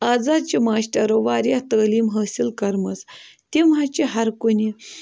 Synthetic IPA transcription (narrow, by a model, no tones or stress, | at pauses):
ad͡zad̪̚t͡ɕimaːɕʈɐɾoʋaɾjat̪əːliːmɦəːsilkɐɾmət͡st̪imat͡ɕiɦɐɾkuni